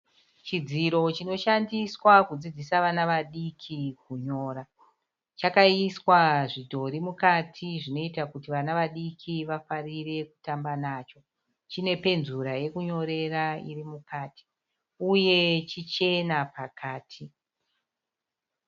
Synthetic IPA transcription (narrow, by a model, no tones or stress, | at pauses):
t͡ʃid͡ziɾo̞t͡ʃino̞ʃandiswakud͡zid͡zisaʋanaʋaɗikʰikuɲo̞ːɾa | t͡ʃakaiswaʐidʱo̞ɾimukatʰiʐino̞itakutiʋanaʋaɗikʰiʋafarire̞ku̥tambanaːt͡ʃo̞ | t͡ʃine̞pe̞nzuɾaje̞kuɲo̞ɾe̞raḭrimukaːtʰi̥ | uje̞t͡ʃit͡ʃe̞napakʰaːtʰi